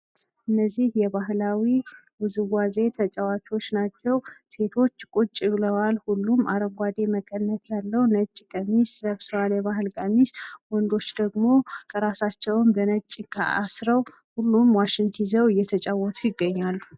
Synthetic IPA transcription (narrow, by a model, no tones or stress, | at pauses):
ʔɨnːəzːihjɛbaɦlawiwuzɨwaze̞t̪ʰət͡ʃʼɛwat͡ʃo̞t͡ʃːnat͡ʃːɛwse̞t̪ʰo̞t͡ʃːkʼut͡ʃʼːiβləwalhulːumaɾəɡʷad̪e̞məkʼənːət̪jalːəwnət͡ʃʼːkʼəmisləβswaljɛβaɦɨlkʼəmiswɔnd̪o̞t͡ʃːd̪əɡmo̞kʰəɾasat͡ʃːɛwnbənət͡ʃʼːɪkʰa̰ʔasɾəw | hulːumwaʃɪnt̪ʰizəwɨjːɛt̪ʰət͡ʃʼawːɔt̪ʰʼujɪɡːəɲːalːu